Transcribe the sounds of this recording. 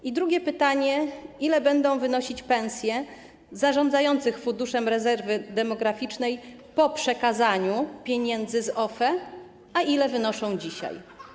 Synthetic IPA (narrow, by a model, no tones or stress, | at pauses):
id̪ɾuɡʲjɛpɘt̪aɲɛilɛbɛnd̪ɔ̃w̃vɘnɔɕit͡ɕpɛnsʲjɛ | zaʐɔndzajɔnt̪sɘxfund̪uʂɛmɾɛzɛɾvɘd̪ɛmɔɡɾafʲit͡ʂnɛj | pɔpʂɛkazaɲupʲjeɲɛnd̪zɘzɔfɛ | aʔilɛvɘnɔʂɔ̃w̃d͡ʑiɕa̰j